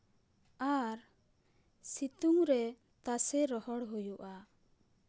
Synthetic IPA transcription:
aɾ | sit̪uŋɾɛ | t̪asɛɾɔɦɔɽɦujuʔa

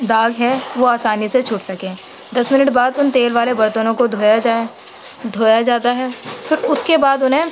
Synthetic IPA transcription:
d̪aːɡɦɛʋoaːsaːniset͡ʃʰʊʈsɐkẽː | d̪ɐsmɪnəʈbaːd̪ʊnt̪eːlʋaːlebɐɾt̪ənõkod̪ʱoːjad͡ʒaːe | d̪ʱoːjad͡ʒaːt̪aɦɛfʰɪɾʊskebaːd̪ʊnɦẽ

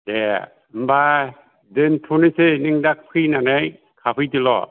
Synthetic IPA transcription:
de | mba | dɯntʰunɯsɯniŋdak̚pʰɯjnanɯj | kʰapʰɯjdilɔ̰

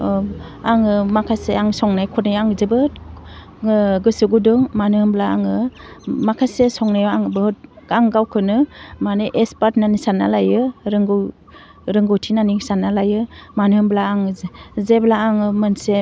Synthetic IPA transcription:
aŋɯmakʰaseaŋsɔŋnajkʰɔtnajaŋzebɯ | ɡɯsɯɡudɯŋmanɯhɯmblaaŋɯmakʰasesɔŋnajaŋbɯht̚aŋɡawkʰɯnɯmanɯʔespaɾtnanisanalajɯɾɯŋɡ | ɾɯŋɡɔwtʰinanisanːalajɯmanɯhɯmblaːŋzzeblaːŋɯmɯnse

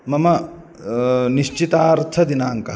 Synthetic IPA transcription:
mɐmɐ | niʃt͡ʃit̪aːɾt̪ʰɐd̪inaːŋkɐ

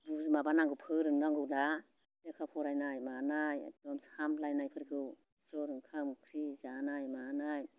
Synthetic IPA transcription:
ɾumabanaŋɡɯwpʰɯɾɯnɾaŋɡɯda | dekʰawpʰɔɾajnajmanaja̰tɔmsamlajnajpʰɯɾɡʰɯw | sɔɾɯŋkʰamkʰɾizanajmanaj

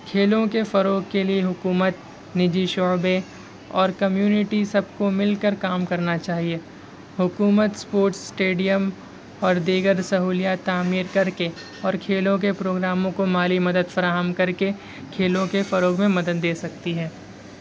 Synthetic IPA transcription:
kʰeːlõkefɐɾoːɡ̚kelieɦʊkuːmət̪ | nɪd͡ʒiʃɔːbẽ | ɔ̰ːɾkɐmjuːnɪʈisɐb̚komɪlkəɾkaːmkɐɾnat͡ʃaːɦie | ɦʊkuːmət̪spoːɾʈsːʈeːɖijəm | ɔːɾd̪iːɡəɾsɐɦuːlijaːt̪ːaːmiːɾkɐɾke | ɔːɾkʰeːlõk̬epɾoːɡɾaːmõkomaːlimɐd̪əd̪fɐɾaːɦəmkɐɾke | kʰeːlõkefɐɾoːɡmẽmɐd̪əd̪ːeːsɐk̚t̪iɦɛː

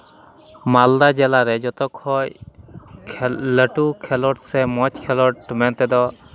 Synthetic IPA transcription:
mald̪ad͡ʒɛlaɾɛd͡ʒɔt̪ɔkʰɔj | ləʈukʰɛlɔʈsɛmɔt͡ʃkʰɛlɔʈmɛnt̪ɛd̪ɔ

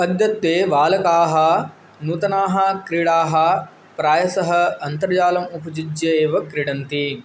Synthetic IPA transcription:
pɐd̪jɐt̪ʋeːʋaːlɐkaːɦɐ | nuːt̪ɐnaːɦɐkɾiɽaːɦɐ | pɾaːjɐsɐɦɐɐnt̪ɐɾjaːlɐmupɐd͡ʒid͡ʒjeːʋɐkɾiɽɐnt̪i

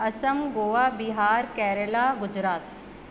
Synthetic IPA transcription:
ɐsəmɡoːʋaːbiɦaːɾkɛːɾəlaːɡʊd͡ʒɾaːt̪

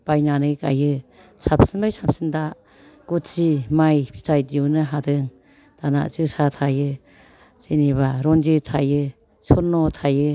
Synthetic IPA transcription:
b̥ajnanɯjka̰jɯ | sap̚sɯnbajsap̚sɯnda | ɡ̥utsimajpʰi̥tʰajdiwnɯɦadɯŋ | d̥ana̰ʔzɯsatʰajɯ | zɯniβaɾɔnd͡ʒɯtʰajɯ | sɔnːɔtʰajɯ

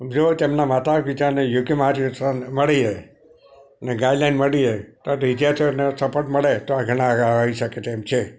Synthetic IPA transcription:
d͡ʒot̪emnamat̪akʋit͡ʃaɾnejuɡimad͡ʒtanməɭie | əneɡajɖlajnməɽiet̪oat̪ɪd͡ʒ̪jat̪ʰionesəpəʈməɭet̪oaɡʱəɽ̃ãɡaɦaiʃəket̪eːmt͡ʃʰe

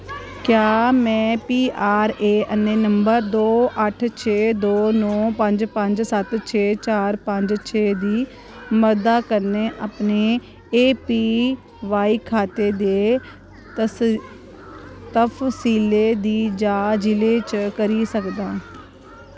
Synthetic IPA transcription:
kjaːmɛ̃ːpiːʔaːɾeːʔənːeːnəmbəɾd̪oːʔəʈʰt͡ʃʰeːd̪oːnõːpəɲd͡ʒpə̃ɲd͡ʒsət̪t͡ʃʰeːt͡ʃaːɾpəɲd͡ʒt͡ʃʰeːd̪iː | məɾd̪aːkəɾneːʔapneː | eːpiː | ʋaːiːkʰaːt̪eːd̪eː | t̪ə | t̪əfʰsiːleːd̪iːd͡ʒaːd͡ʒɪleːt͡ʃkəɾiːsəkd̪aː

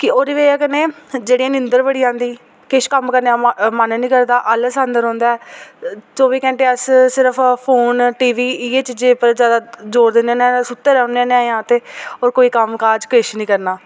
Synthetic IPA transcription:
kɪoːɾiʋeːəkəneːd͡ʒeːɽijãːnɪ̃nd̪əɾbəɽijãːnd̪iː | kɪʃkəmkəɾnːãːmənnĩːkəɾd̪aːʔəlsə̃ːnd̪əɾɦõːnd̪aːɛː | t͡ʃoːʋiːkɛ̃ːɳʈeːəssɪɾəpʰpʰoːnʈiːʋiːiːeːt͡ʃd͡ʒeːpəɾd͡ʒjaːd̪aːd͡ʒoːɾd̪ɪnãːnesʊt̪ːeɾɛneãːneaːjãːt̪eːoːɾkoːiːkəmkaːd͡ʒkɪʃnĩːkəɾnaː

